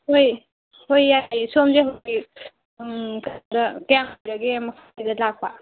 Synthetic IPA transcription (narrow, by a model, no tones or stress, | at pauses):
hoj | hojːasomzeɦaɡi | kdɐkɐjaŋojɾɐɡemɐkʰadidɐlak̚pa